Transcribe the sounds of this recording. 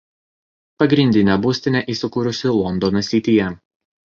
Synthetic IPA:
pɐɡɾʲɪnʲd̪ʲɪnʲɛbusʲt̪ʲɪnʲɛʔiːsʲʊkuːɾʲʊsʲɪlˠɔnd̪ɔnɐsʲɪːt̪ʲɪjɛ

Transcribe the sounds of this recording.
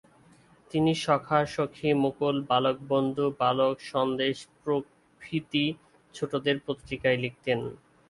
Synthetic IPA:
t̪iniʃɔkʰaʃokʰːimokolbalok̚bond̪ʱubalokʃɔnd̪eʃpɾo | kʰɾit̪i | t͡ɕʰoʈod̪eɾpot̪ːɾikaelek̚t̪en

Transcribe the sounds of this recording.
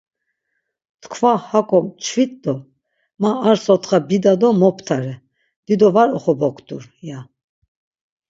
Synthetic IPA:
t̪kʰvahakʼɔt͡ʃʰvit̪d̪ɔ | maːɾsɔt̪χabid̪ad̪ɔmɔpʰt̪ʰaɾɛ | d̪̥id̪ɔvaɾɔχɔbɔkʰʼt̪uɾja

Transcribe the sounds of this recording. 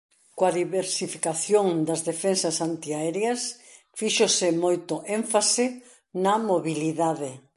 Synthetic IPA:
koaðiβeɾsifi̥kaθjoŋd̪ɐzðefensɐsant̪iaɛɾjɐs | fiʃosɪmojt̪ʊʔẽɱfasɪ | nɐmoβiliðaðɪ

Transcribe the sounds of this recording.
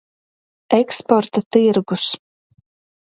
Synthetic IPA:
ɛkspɔɾt̪at̪iɾɡus

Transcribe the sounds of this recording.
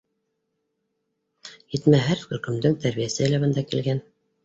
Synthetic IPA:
jɘt̪mæɦæɾxɵ̆ɾkɵ̆md̪ɘŋt̪æɾβijæsɘlæβɘ̆nd̪ækilɡæn

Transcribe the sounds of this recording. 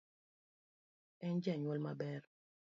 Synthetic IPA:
ɛnd͡ʒɛɲwɔlmabɛr

